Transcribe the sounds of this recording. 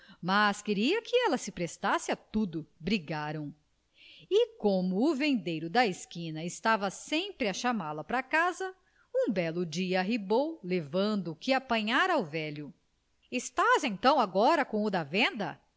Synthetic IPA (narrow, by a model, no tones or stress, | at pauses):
maskɪɾiɐkɪɛlɐsɪpɾest̪asɪat̪ud̪ʊbɾiɡaɾɐ̃w̃ | ɪkõmʊːvẽnd̪ejɾʊd̪ɐɪskĩnɐɪst̪avɐsẽpɾɪɐʃamaɾlɐpɾɐkazɐ | ũbɛlʊd͡ʒiɐɦibowlevɐ̃nd̪ʊkɪapɐ̃ɲaɾɐawvɛʎʊ | ɪst̪azẽnt̪ɐ̃w̃aɡɔɾɐkõʊd̪ɐvẽnd̪ɐ̰